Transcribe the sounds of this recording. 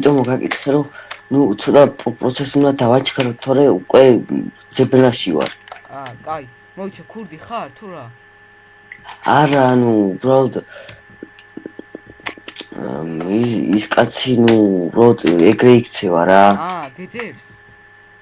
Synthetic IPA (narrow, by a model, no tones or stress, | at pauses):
it̪ʼɔmɔɡakʼḭt̪ʰχɛɾɔnut̪sʰɔt̪ʼapʼpʼɾɔt̪sʰɛsund̪ad̪avat͡ʃʰχʰaɾɔt̪ʰɔɾɛukʼwɛd̪z̥ɛbɾnaʃiva̰ɾʼ | aɾaːnuːbɾalɔd̪ | iskʼat̪sʰinuubɾalɔd̪ɛɡɾɛikʰt̪sʰɛva̰ɾa